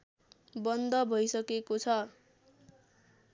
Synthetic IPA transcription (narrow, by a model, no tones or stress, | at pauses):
bʌnd̪ʌbʱʌjsʌkekot͡sʰʌ